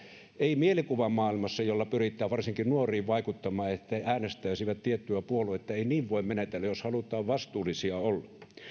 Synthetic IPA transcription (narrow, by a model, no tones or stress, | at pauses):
eimielikuʋɑmɑːˑilmɑsːɑjolːɑpyrit̪ːˑæːʋɑrsiŋkinnuorˑiːʋʋɑikut̪ːɑmɑːet̪ːææːnest̪æˑysiʋæt̪t̪iet̪ːyæpuoluɑet̪ːæeiniːʋʋoˑemmenet̪elːæjoshɑlut̪ˑɑːʋʋɑst̪uːlˑisiɑolːɑ